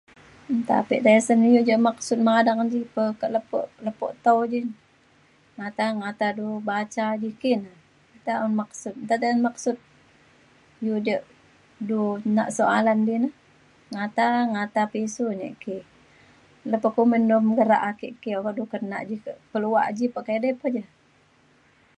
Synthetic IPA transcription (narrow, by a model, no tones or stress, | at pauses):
nt̪a̰piʔd̪ajəsənjuʔd͡ʒəʔmak̚sʊt̪̚madaŋd͡ʒipəkəʔləpɔ̰ʔləpɔ̰ʔt̪əwd͡ʒi | ŋat̪aŋat̪adubat͡ʃad͡ʒikina | it̪aunmak̚sʊt̪̚nt̪at̪ajnmaksʊt̪̚ | jud͡ʒəʔ | duna̰ʔsoalandinəh | ŋat̪aŋat̪apisuɲḛʔki | ləpəʔkuməndumɡəɾa̰ʔakḭʔkiokaʔdukəna̰ʔd͡ʒikəʔpəlua̰ʔd͡ʒipəʔkedɛpəhd͡ʒə